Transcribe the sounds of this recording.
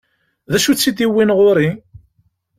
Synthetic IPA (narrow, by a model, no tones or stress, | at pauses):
ðæʃut͡sːid̪iwːinʁoɾi